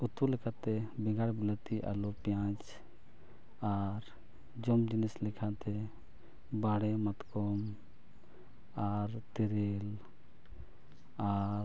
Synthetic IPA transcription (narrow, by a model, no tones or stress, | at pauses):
ut̪ulɛkʰat̪ɛbɛɡaɽbilat̪iʔa̰lɔpjãt͡ʃ | aɾ | d͡ʒɔmd͡ʒinislɛkʰat̪ɛ | baɽɛmat̪kɔm | aɾt̪iɾel | a